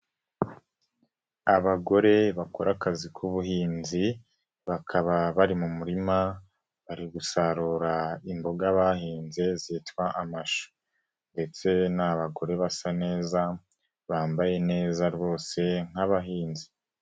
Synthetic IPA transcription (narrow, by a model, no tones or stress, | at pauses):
aβaɡo̞ɾe̞βakoɾʔakazikʰuβuɦiːnzi | βakʰaβaβaɾimumuɾima | βaɾiɡusaɾuɾaimbo̞ɡaβaɦiːnzezitwaʔamaʃo̥ | nde̞t͡se̞naβaɡo̞ɾe̞βasane̞ːza | βaːmbaje̞ne̞ːzaɾiβo̞ːse̞ŋ̥haβaɦiːnzi